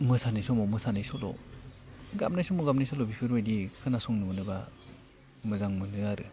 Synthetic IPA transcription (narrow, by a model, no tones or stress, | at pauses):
mɯsanɯjsɔmɔmɯsanajsɔlɔ̰ | ɡa̰mnajsɔmɔɡamnajsɔlɔbipʰɯɾɔjdikʰɯnasɔŋnɯmɯnɯba | mɯzaŋmɯnɯaɾɯ